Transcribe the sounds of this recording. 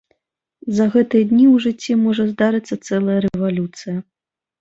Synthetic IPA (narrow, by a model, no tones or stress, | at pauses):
zɐɣɛt̪ɨjɐd̪ʲnʲiwʐɨt͡sʲːɛmɔʐɐzd̪aɾɨt̪sːɐt̪sɛlˠɐjɐɾɛɛvalʲut̪sɨjɐ